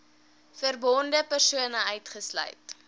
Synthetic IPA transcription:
fərbɔndəpərsuənəœɥtχəslœ̰ɥt

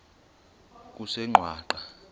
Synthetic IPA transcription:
k̬ʼusɛŋ͡ǃʱwaːǃa

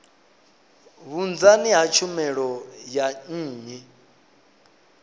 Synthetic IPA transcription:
βund͡zaniɦat͡ʃʰumɛɺɔjan̩ːɲɛ

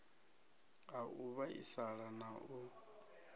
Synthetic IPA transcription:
aʔuβaḭsaɺanaʔu

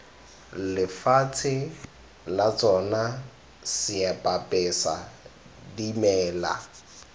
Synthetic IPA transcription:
lɪfaːt͡sʰɪ | lat͡sʼɔna | sɪapʼapʼɛsa̰ | dimɛːla̰

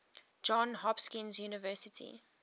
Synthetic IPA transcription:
d͡ʒɔ̃nhɔpskɪ̃nzjuːnəvɜˑsɪtʰḭ

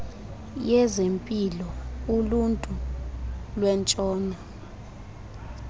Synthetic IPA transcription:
jɛzempʼilɔuluntʼu | lwɛnt͡ʃʼɔːna

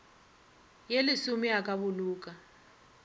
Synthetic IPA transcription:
jelisumiak̬ʼaβuluːk̬ʼa

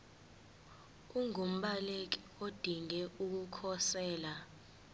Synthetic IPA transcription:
uŋʱum̩ɓalek̬i | od̥ʱiŋɛuk̬ukʰɔsɛːla

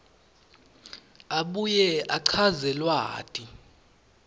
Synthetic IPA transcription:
aɓujɛaǀʰazɛlwaːtʼi

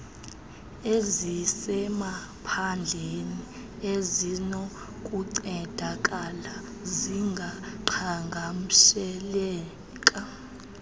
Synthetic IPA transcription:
ezisɛma | pʰand͡ɮʱeni | ezinɔ | kʼuǀɛd̥ʱakʼala | ziŋɡʱaǃʰaŋɡʱam̩ʃɛlɛː | kʼa

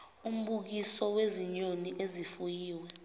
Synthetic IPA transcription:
um̩ɓuk̬isɔweziɲoniʔezifujiːwɛ

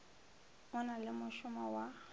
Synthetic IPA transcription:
mʊnalɪmʊʃʊmawa

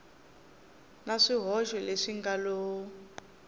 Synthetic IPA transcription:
naʂiɦɔʒwɛleʂiŋɡaloːu

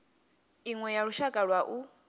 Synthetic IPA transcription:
iŋwɛjaɺuʃakʼaɺwaʔu

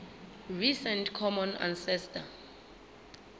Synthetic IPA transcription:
risɛntkʰɔmɔna̰nsɛstʰa

